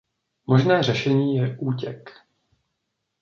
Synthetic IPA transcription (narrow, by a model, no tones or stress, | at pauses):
moʒnɛːrɛʃɛɲiːjɛʔuːcɛk